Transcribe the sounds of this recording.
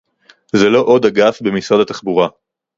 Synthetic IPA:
zelo̞ʔo̞daɡafbe̞misʁadat̪aχbuʁa

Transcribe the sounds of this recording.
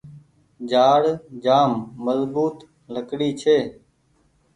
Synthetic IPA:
d͡ʒaːɽd͡ʒaːmːəzbuːt̪ | ləkɽiːt͡ʃʰeː

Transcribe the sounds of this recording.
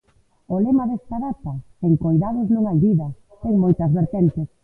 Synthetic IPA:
olemaðest̪aðat̪aseŋkojðað̞ʊznuŋajðiðɐ | t̪ɛŋmojt̪ɐzβeɾt̪ɛnt̪ɪs

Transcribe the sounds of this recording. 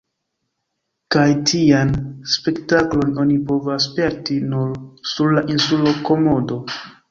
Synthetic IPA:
kajtʰianspe̞ktaklo̞no̞nipo̞vaspe̞ɾtinuɾsuɾlaʔinsulo̞ko̞mo̞do̞

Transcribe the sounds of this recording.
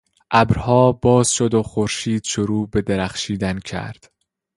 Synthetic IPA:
ʔæbɾhɒːbɒːz̥ʃod̪oxoɾʃiːd̪̥ʃoɾuːbe̞d̪eɾæχʃiːd̪æncʰæ̰ɾd̪̥

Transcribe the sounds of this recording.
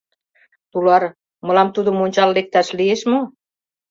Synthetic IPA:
t̪ulɑɾ | mɤ̆lɑmt̪ud̪ŏmonʲt͡ɕɑlːek̚t̪æʃlieʃmo

